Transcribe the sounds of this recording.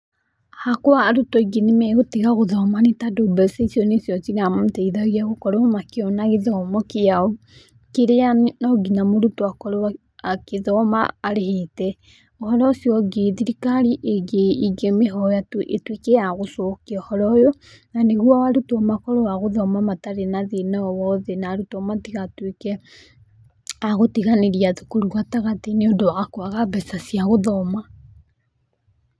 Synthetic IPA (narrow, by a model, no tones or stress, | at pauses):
hakoaːɾutɔiɡenemɛɣoteɣaɣoðɔmanetadobɛsesiɔnesjɔt͡ʃiɾamotɛiðaɣiaɣokɔɾoomakeɔnaɣeðɔmɔkejao | keɾeannɔɡinamoɾutoakɔɾo | akeðɔma̰ːɾehetɛ | ɔhɔɾɔsjɔɡeðiɾikaɾiʔeɡeiɡemeɦɔjatuʔetwekeaɣosokeɔhɔɾɔjɔ | naneɣwawaɾutɔmakɔɾowaɣoðɔmamataɾenaðenaɔwɔðɛnaɾutɔmatiɣatwekɛ | aɣotiɣaneɾiaðukoɾuwataɣateneodowaɣakoaɣabɛsasiaɣoðɔma